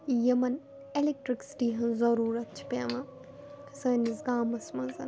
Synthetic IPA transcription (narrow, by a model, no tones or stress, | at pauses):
jɐmɐn | elek̚ʈɾiksʈiːɦɐnzɐɾuːɾɐt̪̚t͡ʃʰi̥paʋã | sɐːnisɡaːmɐsmɐzɐn